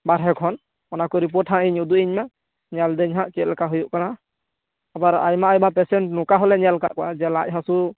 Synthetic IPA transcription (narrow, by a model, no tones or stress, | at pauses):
baɾɦɛkʰɔn | ɔnakɔɾip̬ɔʈʰãʔiɲud̪uʔiɲma | ɲald̪ɛɲɦaʔt͡ʃɛt̪̚lɛkaɦɔjuʔkana | abaɾa̰jmaʔajmapɛsɛnʈnɔkaɦɔlɛɲalka̰ʔkɔad͡ʒɛlac̚ɦasu